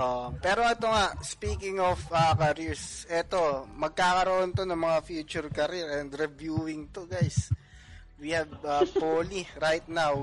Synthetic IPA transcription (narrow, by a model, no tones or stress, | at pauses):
ʔoʔpɛːɾo̞ɛt̪oŋaʔspiːkɪŋofɐkɐɾiɹsʔɛt̪o̞mɐɡ̚kaːkɐɾoʔont̪o̞nɐŋmɐŋafjuːt͡ʃʊɹkɐɾiɾɛnd̪ɾɛvjuːɪŋt̪oɡajs | wihɛvɐpoːliɾajt̪̚naw